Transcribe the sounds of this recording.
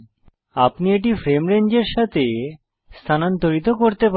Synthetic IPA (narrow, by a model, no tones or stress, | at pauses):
apnieʈ̬ifɾemɾend͡ʑeɾʃat̪ʰe | st̪ʰanant̪oɾit̪okoɾt̪ep